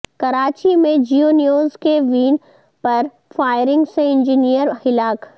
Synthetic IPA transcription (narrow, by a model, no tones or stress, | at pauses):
kɐɾaːt͡ʃimẽd͡ʒionijoːzkeʋiːn | pɐɾ | faːɪɾɪ̃ŋɡseɪ̃nd͡ʒinijəɾhɪlaːk